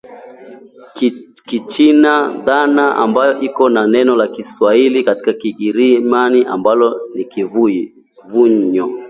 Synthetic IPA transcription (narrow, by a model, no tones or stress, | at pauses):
kit͡ʃinaðanaʔa̰mbajɔʔikɔnanɛnɔlakiswailikati̥kakiɡiɾimaniʔa̰mbalɔnikiv | vuɲɔ